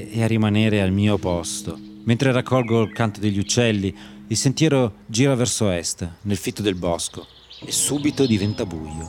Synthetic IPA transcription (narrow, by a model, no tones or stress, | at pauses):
earːimaneːɾealmiːopɔst̪o | ment̪ɾerakːɔlɡolkant̪od̪eʎːiut͡ʃːɛlːi | isent̪jɛːɾod͡ʒiːɾavɛrsoɛst̪nelfit̪ːod̪elbɔsko | esːuːbit̪od̪ivɛnt̪abujo̰